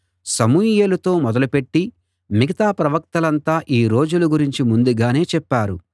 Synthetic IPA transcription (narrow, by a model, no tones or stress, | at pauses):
sɐmujeːlɐt̪o̞ːmɔd̪ɐlupe̞ʈːi | miɡɐt̪aːpɾɐʋɐk̚t̪ɐlɐnt̪aːʔiːɾo̞ːd͡ʒuluɡuɾiɲt͡ʃimund̪uɡaːne̞ːt͡ʃɛpːaːɾṵ